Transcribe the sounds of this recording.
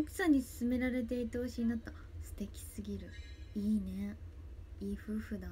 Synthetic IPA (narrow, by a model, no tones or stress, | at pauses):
oksãɲ̟ːisɨ̥sɨme̞ɾaɾe̞t̪̬e̞it̪ooɕiɲ̟inat̪ːa | sɨ̥t̪e̞kʲi̥sɨɡʲiɾɯ̟iːne̞ | iːɸɯ̟ːɸɯ̟d̪a